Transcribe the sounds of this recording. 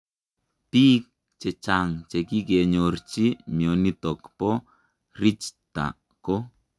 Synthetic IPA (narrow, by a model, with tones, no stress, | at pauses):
pi˦k̚ | t͡ʃɛ˨t͡ʃa˨ŋt͡ʃe˨ki˦ke˨ɲo˨rt͡ʃi˦mjo˨ni˦tɔ˨kpɔ˦ | ri˦t͡ʃta̰˨ | ko˦